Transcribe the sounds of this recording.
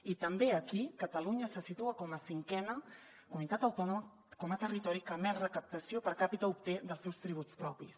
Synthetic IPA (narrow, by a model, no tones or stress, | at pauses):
it̪əmbeəkikət̪əluɲəsəsit̪uəkɔməsiŋkɛnə | kumit̪at̪əwt̪ɔnumə | kɔmət̪ərit̪ɔɾikəmɛrəkəp̚t̪əsiopəɾkapit̪əup̚t̪eðəlˠsɛwst̪ɾiβ̞ut͡spɾɔpis